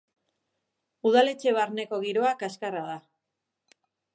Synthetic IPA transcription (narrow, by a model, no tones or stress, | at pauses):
uðale̞t͡ʃe̞β̞aɾne̞ko̞ɣ̞iɾo̞akaskarað̞a